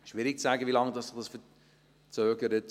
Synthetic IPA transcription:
ʃʋɪɾɪk̚t͡sæɡəʋilɑŋd̪ɑsɪχd̥ɑsfə | t͡søːɡəɾət

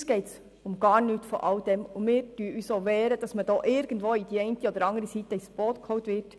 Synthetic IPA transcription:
sɡ̥ɛɪts | ʊmɡ̥ɑːɾnyːtfɔ̰ʔɑwd̥ɛmʊmɪːɾdyəʔyːsoʋɛːɾəd̥ɑsməd̥ɔːʔɪɾɡ̥ən̩dʋoːidiːɛɪntiɔd̪əɾɑŋəɾisitəisb̥oːtkʰhɔwtʋɪɾt

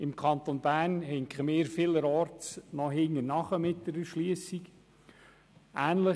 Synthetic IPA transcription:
ɪmkʰɑnt̪onbæːɾnhɛŋχəmɪːɾfɪləɾɔɾtnɔɦɪŋːənɑχəmɪt̚d̥əɾəʃliəsik | ʔæːnlə

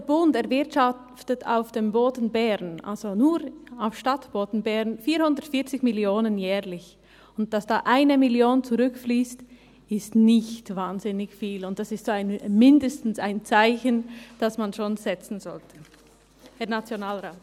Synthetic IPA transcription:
d̥ːbʊntɛɐʁvɪɐtʃa | ftətʰa̰ʊfd̥emboːdn̩bɛʁnʔa̰lz̥onuːɾaʊfʃtatb̥oːdn̩bɛʁnfiːhʊndətfɪːɐt͡sɪçmɪljoːnənjɛːʁlɪç | ʊnt̚d̥asd̥aːʔaɪnəmɪljoːnt͡suʁʏkfliːst | ɪstnɪçtvaːnzɪnɪçfiːlʊnt̚d̥asɪstz̥oːaɪnmɪndəstn̩saɪnt͡saɪçənd̥asmanʃoːnzɛt͡sn̩zɔltʰə̥ | hɛɐnat͡sjonaːlʁaːt

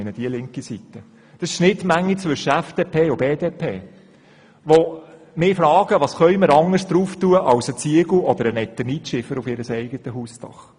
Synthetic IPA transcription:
nəd̥iəlɪŋkisit̪ːə | d̪̥ɑsɪ̥ʃnɪtmæŋːit͡sʋʏʃːəæfd̥eːpʰeːʊbeːdeːpʰeː | ʋɔ | mɪːfɾɑːɡ̥əʋɑːsχœɥməɾɑŋəsd̥̪ɾuːft̪uəʔɑwsət͡siəɡl̩ɔd̪əɾənɛt̪ːənitʃɪfəɾufɪɾəsɛɪɡət̪əɦuːstɑ̰χ

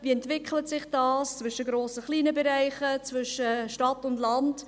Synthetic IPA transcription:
viɛntvɪkχlətsɪχd̥ɑːst͡svʏʃəɡɾoːsəχliːnəbɛɾaɪχət͡svʏʃəʃtɑtʊndlɑnd

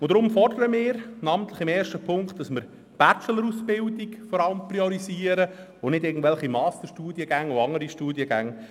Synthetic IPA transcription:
ʊd̥̪ɾʊmfɔrdəɾəmɪːɾnɑːmənt̪ləχɪmɛːɾʃtəpʰʊŋktd̥ɑsmɪɾ | b̥æt͡ʃələɾusbɪldikfɔɾɑləmpriɔɾiziːəɾə | onɪdɪːɡən̩tvʋɛlχimɑːst̪əɾʃtuːdiəɡæŋoɑŋəɾiʃtuːdiəɡæŋ

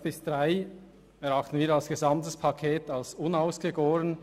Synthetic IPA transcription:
b̥ɪsd̥ʁaɪ | ɛʁɑχtn̩viːɐɑlsɡ̥ezɑmtəspʰɑkʰeːtɑlsʊnaʊsɡ̥əɡoːən

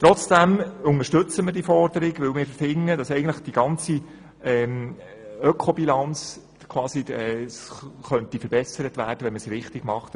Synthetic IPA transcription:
t̪ɾɔt͡sd̥æmʊŋəʃtɵt͡səmɪɾd̥ifɔrd̥əɾɪɡʋɵlmɪːɾfəɾfɪŋːədɑsɛɡən̩tləχd̥iɡ̥ɑnt͡si | ɛːm | œkʰobilɑnt͡s | kʰwɑːsiɛːsχœntifəɾbɛsəɾətʋæːrd̥əʋɛnməsɾɪχtɪɡmɑχt

